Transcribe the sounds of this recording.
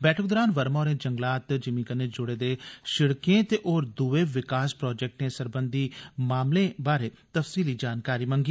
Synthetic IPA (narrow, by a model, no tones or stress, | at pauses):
bɛːʈʰəkd̪ɔːɾaːnʋəɾmaːɾẽːd͡ʒəŋɡlaːt̪d͡ʒɪmĩːkəneːd͡ʒʊɽeːd̪eːʃɪɽkẽt̪eːʔoːɾd̪uʋeːʋɪkaːspɾɔːd͡ʒɛk̚ʈneːsəɾbənd̪iːmaːmlẽːbaːɾeː | t̪əfsiːliːd͡ʒaːnkaːɾiːməŋɡiː